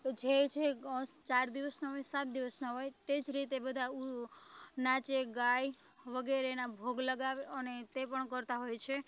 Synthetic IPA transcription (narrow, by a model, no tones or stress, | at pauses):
d͡ʒet͡ʃʰest͡ʃaɾd̪iʋəsnaɦojsat̪̚d̪iʋəsnaɦojt̪ed͡ʒɾit̪ebəd̪ʱau | nat͡ʃeɡaj | ʋəɡeɾenabʱoɡləɡaʋeənet̪epəɳkəɾt̪aɦojt͡ʃʰe